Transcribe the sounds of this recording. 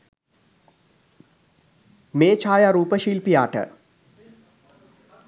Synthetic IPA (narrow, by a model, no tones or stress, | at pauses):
meːt͡ʃʰaːjaɾuːpəʃiːlpijaːʈə̰